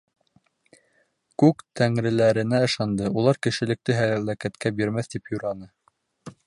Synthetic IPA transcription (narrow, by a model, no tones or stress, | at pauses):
kʉkt̪ʰæŋɾɘ̆læɾɘ̆næɤ̆ʃɑnd̪ɤulˠɑɾkɘ̆ʃɘ̆lɘ̆k̚t̪ɘɦælækæt̪kæbiɾmæθt̪ipjuɾɑnɤ